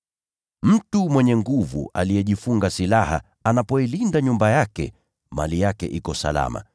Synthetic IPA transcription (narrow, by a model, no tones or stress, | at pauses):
m̩tumwɛɲɛŋɡuvṵʔa̰lijɛʄifuŋɡasilaha̰ | anapɔilindaɲumbajakɛ̰ | ma̰lijakɛ̰ʔikɔsa̰la̰ma̰